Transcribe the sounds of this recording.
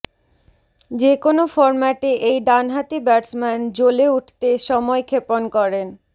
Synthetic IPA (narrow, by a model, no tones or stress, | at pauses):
d͡ʑekonofɔɾmaʈeʔejɖanɦat̪ibɛʈsmɛnd͡ʑoleuʈʰt̪eʃɔmɔekʰeponkɔɾen